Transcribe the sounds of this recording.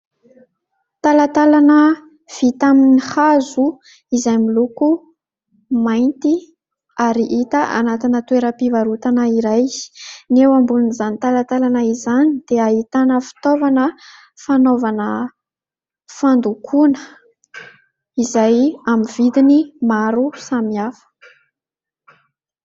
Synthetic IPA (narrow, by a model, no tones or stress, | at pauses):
t̪alat̪alanə | v̥it̪aminihazu | izajmiluku | majnt̪i | aɾiʔit̪əʔa̰nat̪inət̪weɾəpivaɾut̪anaiɾajnewambulunizanit̪alat̪alanaizanid̪̥eait̪anəfi̥t̪ovanə | fanovanə | fand̪ukʰunə̥ | izajamiv̥id̪inimaɾusamiafə̥